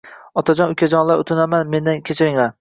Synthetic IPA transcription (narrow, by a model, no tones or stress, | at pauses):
ɒt̪ʰad͡ʒɒnʊkʲʰad͡ʒɒnlaɾʊt̪ʰɪnamanme̞nd̪ankʲʰet͡ʃʰɪɾɪŋla